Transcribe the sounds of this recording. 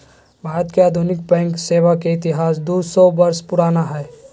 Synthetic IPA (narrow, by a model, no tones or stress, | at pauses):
bʱaːɾət̪keaːd̪ʱunɪk̚bɛ̃ːŋkseːʋakeɪt̪ɪɦaːsd̪uːsɔbɐɾspʊɾaːnaɦɛː